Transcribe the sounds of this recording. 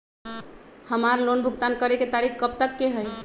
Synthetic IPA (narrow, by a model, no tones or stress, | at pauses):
həmaɾlonbʱuɡt̪ankəɾeket̪aɾikʰkəp̚t̪əkːeɦəj